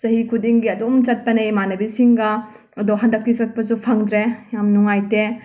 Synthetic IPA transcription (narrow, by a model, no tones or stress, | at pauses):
sɐɦikʰudiŋɡiɐdɔmt͡ʃɐt̚pɐnejmanɐbisiŋɡɐ | ɐdɔɦandɐk̚tisɐt̚pɐzupʰaŋd̪ɾejamnuŋajte